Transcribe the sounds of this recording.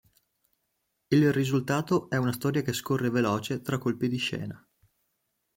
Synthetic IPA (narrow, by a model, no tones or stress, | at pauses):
ilrizult̪aːt̪oʔɛunast̪ɔːɾjakeskorːevelɔːt͡ʃet̪ɾakːolpid̪iʃɛ̰ːna